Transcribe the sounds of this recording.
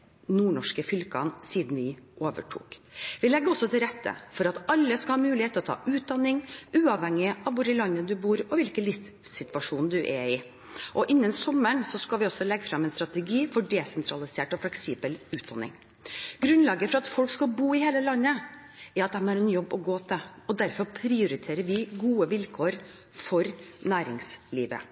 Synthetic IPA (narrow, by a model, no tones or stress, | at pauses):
nuːɳɔʂkəfʏlkɑ̰nsiːd̪n̩ʋɪʔoːʋə̰ʈʰṵːkʋɪlɛɡəɔsːɔt̪ʰɪlɾɛt̪ʰːə̰fɔɾɑt̪ɑlːəskɑlhɑːmʉːlɪheːt̪ʰːəɔt̪ʰɑ̰ːʔʉːt̪̚d̪ɑnːɪŋʔʉːɑʋhɛŋːɪɑʋʋʊɖəlɑnːəd̪ʉbuːɾɔʋɪlkəlɪft | sɪt̪ʋɑʂuːnd̪ʉʔɛɪ | ʔɔʔɪnːənsɔmːəɳsɔskɑlʋɪɔsɔlɛɡːəfɾɑmːɛnst̪ɾɑt̪ɛɡiːfɔɖɛːsɛnt̪ʰɾɑlɪseːʈɔflɛksɪbəlʉːt̪̚d̪ɑ̰nɪ̰ŋ | ɡ̥ɾʉnlɑːɡəfɔɾɑt̪fɔlkskɑbuːɪheːləlɑnːə | ɛɾɑt̪̚d̪æmæɾɛnjɔbːɔɡoːt̪ʰəɔd̪æɾfɔɾpʰɾɪʊɾɪt̪ʰeːɾəʋɪɡuːəʋɪlkʰoːɾ | fɔɾnæːɾɪŋslḭːʋə̰